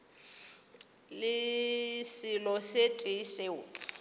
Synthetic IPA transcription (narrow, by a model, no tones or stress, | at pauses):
lɪsɪlɔsetʼeiseːʊ